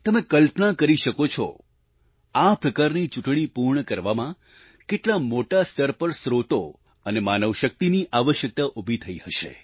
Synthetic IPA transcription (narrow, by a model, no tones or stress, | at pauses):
t̪əmẽkəlpnakəɾiʃəkot͡ʃʰɔ̰ | apɾəkaɾnit͡ʃʊʈɳ̃ipuɾɳəkəɾʋamã | keʈlamoʈast̪ʰəɾpəɾsɾot̪o | ənemanəʋʃək̚t̪iniʔaʋəʃjək̚t̪aʔubʱit̪ʰəihəʃḛ